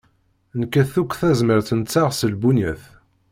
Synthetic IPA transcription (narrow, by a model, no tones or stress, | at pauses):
nkːæθukʷːθæzməɾt̪ənt͡sːaʁsəlbuniθ